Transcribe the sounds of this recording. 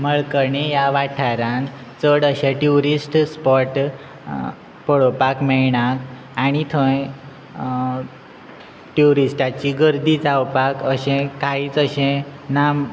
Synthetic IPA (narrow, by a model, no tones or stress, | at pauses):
məɭkəɾɳejaʋaʈʰaɾãn | t͡səɽəɕẽʈjuɾisʈspɔʈ | pəɭopakmɛɭɳak | aɽ̃it̪ʰə̃j | ʈjuɾisʈat͡ɕiɡəɾd̪iːt͡sawpakəɕẽkaiːt͡səɕẽnam